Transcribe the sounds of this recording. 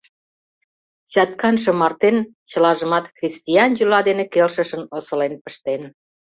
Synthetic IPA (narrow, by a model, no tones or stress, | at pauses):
t͡ɕɑt̪kɑnʃə̆mɑrt̪en | t͡ɕə̆lɑʒəmɑt̪xrʲist̪ʲiɑnjylɑd̪enekelʃə̆ʃə̆nosə̆lenpə̥ʃt̪en